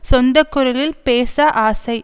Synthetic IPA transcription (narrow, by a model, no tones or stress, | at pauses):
sɔnd̪ɐkːʊɾɐlɪlpeːsɐʔaːsɐɪ